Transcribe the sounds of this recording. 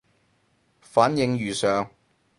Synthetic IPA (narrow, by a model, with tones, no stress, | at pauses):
faː˨˥njɪ˧ŋjɥyː˨˩sœː˨˧ŋ